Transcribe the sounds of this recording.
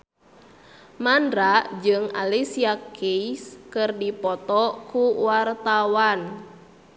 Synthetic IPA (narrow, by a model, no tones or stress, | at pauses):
mandɾad͡ʒɨŋa̰lisiakiskɨrdipɔt̪ɔkuwart̪awan